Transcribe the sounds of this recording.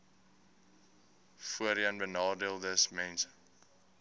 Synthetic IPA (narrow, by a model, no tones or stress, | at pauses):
fuəɾiɐnbənɑːdiəlˠdəsmɛns